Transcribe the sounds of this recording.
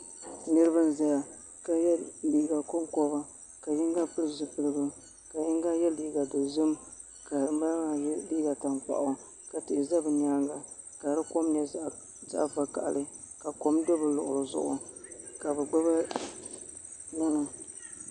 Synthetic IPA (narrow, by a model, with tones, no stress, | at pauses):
nɨ˦ɾɨ˦bɨ˦n˦za˦ja˨ | ka˨jɛ˦liː˨ɡa˨ko˦mkɔ˦βa˦ | ka˨jɪ˦ŋɡa˦pɨ˦lɨ˦zɨ˨pɨ˦˨lɨ˦ɡɨ˦ | ka˨jɪ˦ŋɡa˦jɛ˦li˨ɡa˨do˨zɨ˦m | ka˨ma˦lŋa˨˦liː˦ɡa˨ta˨npa̰˨ʔʊ˨ | ka˨tɪ˨ɪ˨za˦bɨ˨ɲa˦ŋɡa˨ | ka˨ɾɨ˦ko˦mnɛ˨ | za̰˦ʔfa˨ka˨ʔa̰˨lɨ˦ | ka˨ko˦mdɨ˦bɨ˨lʊ˨ʔʊ˨lɨ˨zʊ̰˦ʔʊ̰˨ka˨bɛ˨ɡ͡ba˦βa˦ | nʊ˦nʊ˨